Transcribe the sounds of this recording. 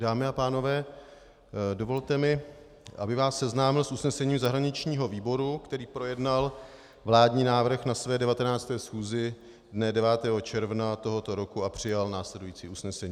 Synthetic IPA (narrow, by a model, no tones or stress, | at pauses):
daːmɪapaːno̞vɛː | do̞vo̞lt̪ɛmɪ | ʔabɪvaːsːɛznaːmɪlsʔusnɛsɛɲiːmzaɦɾaɲɪt͡ʃɲiːɦo̞viːbo̞ɾukt̪ɛɾiːpɾo̞jɛdnal | vlaːdɲiːnaːvr̩xnasvɛːdɛvat̪ɛnaːt͡st̪ɛːsxuːzɪ | dnɛdɛvaːt̪ɛːɦo̞t͡ʃɛɾvnat̪o̞ɦo̞t̪o̞ɾo̞kuapr̝̥ɪjalnaːslɛdujiːt͡siːusnɛsɛɲiː